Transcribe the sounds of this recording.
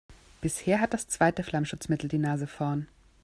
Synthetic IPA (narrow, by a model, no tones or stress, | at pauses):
b̥ɪsheːɐɦat̚d̥ast͡sv̥aɪtəflamʃʊt͡smɪtl̩diːnaːzəfɔɐn